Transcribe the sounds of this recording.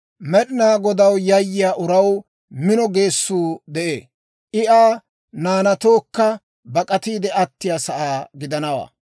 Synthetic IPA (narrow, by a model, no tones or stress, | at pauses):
mɛɗɪnaːɡɔd̪ɐwjɐjːɪjaːʔʊɾɐw | mɪnɔɡe̞ːsːuːd̪ɛʔḛː | ʔɪʔaː | naːnɐt̪o̞ːkːɐ | bɐkʼɐt̪iːd̪ɛʔɐt̪ːɪjasɐʔaːɡɪd̪ɐnɐwa̰ː